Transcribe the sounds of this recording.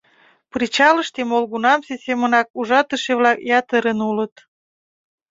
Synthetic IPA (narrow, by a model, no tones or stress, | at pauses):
prit͡ɕɑləʃt̪emolɣunɑmsesʲemənɑk̚uʒɑt̪əʃeβlɑkjɑt̪əɾənulət̪